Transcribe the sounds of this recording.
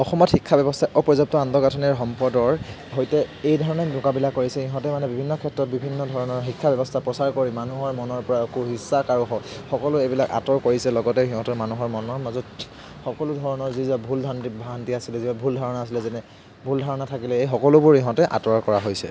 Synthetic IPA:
ɔxɔmɔtxikʰːabɛbɔstʰaʔɔpɹɔzɔb̚tɔandɔɡatʰɔniɹɦɔmpɔdɔɹ | ɦojtɛejdʱɔɹɔnɛnʊkabilakːoɹisɛiɦɔ̃tɛmanɛbibʱinːɔkʰɛtɹɔt̚bibʱinːɔdʱɔɹɔnɔɹxikʰːabɛbɔstʰapɹɔsaɹkoɹimanuɦɔɹmɔnɔɹpɔɹakuɦisakaɹuxɔxɔkɔlʊebilaka̰tɔɹkoɹisɛlɔɡɔtɛɦiɦɔ̃tɔmanuɦɔɹmɔnɔɹmazɔt | xɔkɔlʊdʱɔɹɔnɔɹzizbabʱuldʱantibʱaɦantiasilɛzibabʱuldʱɔɹɔnaːsilɛzɛnɛ | bʱuldʱaɹɔnatʰakilɛejxɔkɔlʊbʊɹiɦɔ̃tɛʔa̰tɔɹkɔɹaɦojsɛ̰

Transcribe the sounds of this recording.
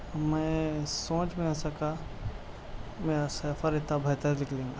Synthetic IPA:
mɛ̃sõːt͡ʃmẽasɐka | meːɾasəpʰəɾet̪abʱɐt̪əɾlɪkʰlẽːŋɡaː

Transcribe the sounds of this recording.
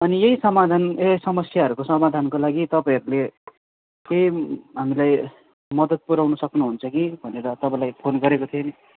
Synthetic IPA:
ʌnijeisʌmad̪ʱanjeisʌmʌsjaɦʌɾukosʌmad̪ʱankolaɡit̪ʌpãj̃ɦʌɾule | kejɦamilaj | mʌd̪ʌd̪̚puɾawnʌsʌknuɦunt͡sʰʌkibʱʌneɾʌt̪ʌpãlajpʰonɡʌɾekot̪ʰioni

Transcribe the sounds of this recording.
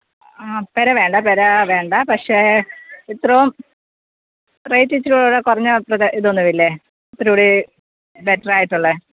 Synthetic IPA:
aːpɐɾɐʋe̞ːɳɖɐpɐɾɐʋe̞ːɳɖɐpɐkʂe̞it̪rɐʋum | rejtːit͡ɕːiɾuɭoːɽekurɐɲːɨprɐðɐʔiðonːuʋilːe | ɐt̪ːɐɾuːɽi | beʈːɐraːjiʈːuɭːɐ

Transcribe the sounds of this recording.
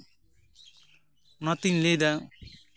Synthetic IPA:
nʌt̪inled̪a

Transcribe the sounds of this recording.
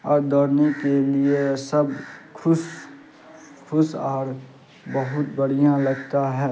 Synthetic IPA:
ɔːɾd̪oːɾnekeliesəbkʰʊs | kʰʊsɔːɾ | bəɦʊt̪̚bəɽ̤ijãləɡt̪aɦɛː

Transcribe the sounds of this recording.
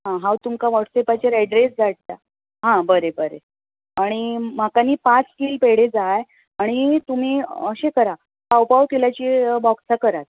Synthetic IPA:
ɦãɦawt̪umkaʋəʈsepat͡ɕeɾɛɖɾesd͡zaʈ̚t̪a | ɦãbəɾebəɾḛ | aɽ̃im̤akaniːpat͡skiːlpeɽed͡zaj | aɽ̃it̪um̤iːəɕekəɾa | pawpawkelat͡ɕibɔksakəɾat̪̚

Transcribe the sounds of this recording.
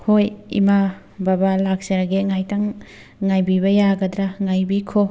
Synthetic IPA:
hojḭma | babalak̚sɐɾaɡeŋajtaŋː | ajbibɐjaɡɐdɾaŋajbikʰo

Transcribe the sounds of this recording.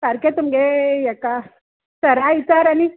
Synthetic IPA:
saɾket̪umɡejaka | səɾait͡saɾani

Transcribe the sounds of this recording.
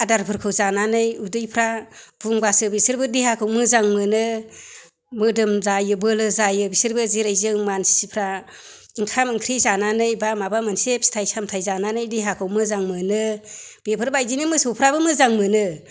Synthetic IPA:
adaɾpʰɯɾkʰɯwzananɯjudɯjpʰɾab̥uŋbasɯbisɯɾbɯdiɦakʰɯwmɯzaŋmɯnɯ | mɯdɯmzajɯbɯlɯzajɯbisɯɾbɯziɾajzɯŋmanssipʰɾa | ɯŋkʰamɯŋkʰɾizananɯjbamabamɯnsep̚si̥tʰajsamtʰajzananɯjdiɦakʰɯwmɯzaŋmɯnɯb̥epʰɯɾbajdinimɯsowpʰɾabɯmɯzaŋmɯnɯ

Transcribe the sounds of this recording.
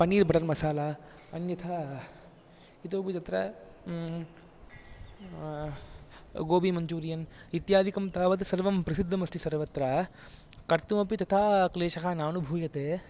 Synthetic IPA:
pɐniːɾbʱɐʈɐɾmɐsaːlaː | ɐnjɐt̪ʰa | it̪oːpid͡ʒɐt̪ɾɐ | ɡoːbimɐɲd͡ʒuːɾjɐnit̪jaːd̪ʱikɐmt̪aːʋɐt̪sɐɾʋɐmpɾɐsid̪ʱːɐmɐsʈ̪ʰisɐɾʋɐt̪ɾa | kɐɾt̪umɐpit̪ɐt̪ʰaːkleːʃɐkʰaːnaːnubʱuːjɐt̪eː

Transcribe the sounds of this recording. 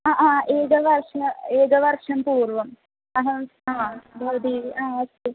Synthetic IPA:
aʔaːeːɡɐʋɐrʂɐmeːɡɐʋɐrʂɐmpuːrʋɐm | ɐɦɐaːb̪ʱɐɾd̪iːiaːɐst̪e

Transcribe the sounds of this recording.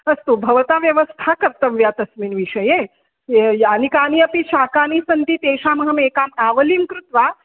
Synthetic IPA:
ɐst̪ubʱɐʋɐt̪aːʋjɐʋɐst̪ʰakɐɾt̪ɐʋjaːt̪ɐsminʋiʂɐjeː | jaːnikaːniɐpiʃaːkaːnisɐnt̪it̪eːʃaːmɐɦɐmeːkaːmaːʋɐlimkɾut̪ʋaː

